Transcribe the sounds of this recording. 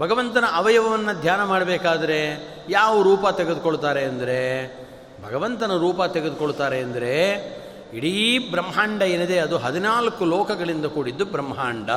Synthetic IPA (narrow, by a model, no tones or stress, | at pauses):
bʱɐɡɐʋɐnt̪ɐnɐʔɐʋɐjɐʋɐʋɐnːɐd̪ʱjaːnɐmaːɽɐbeːkaːd̪ɐɾe̞ | jaːʋuɾuːpɐt̪eɡed̪ukoɭt̪aːɾe̞ɐnd̪ɐɾe̞ | bʱɐɡɐʋɐnt̪ɐnɐɾuːpɐt̪eɡed̪ukoɭut̪aːɾe̞ɐnd̪ɐɾe̞ | iɽibɾɐmɐɦaːɳɖɐeːnid̪e̞ɐd̪uɦɐd̪inaːlɐkulɔːkɐɡɐɭind̪ɐkuːɽid̪ːubɾɐmɦaːɳɖɐ